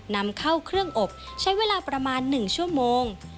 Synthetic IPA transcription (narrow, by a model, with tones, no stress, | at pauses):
na˦˥mkʰa˥˩wkʰɾɯ˥˩əŋʔo˨˩p̚t͡ɕʰa˦˥jweː˧laː˧pɾa˧maː˧nːɯ˨˩ŋt͡ɕʰu˥˩əmoː˧ŋ